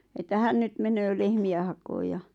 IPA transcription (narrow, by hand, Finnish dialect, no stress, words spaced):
etːæ hæn nyt menøː lehmiæ hɑkoːj jɑ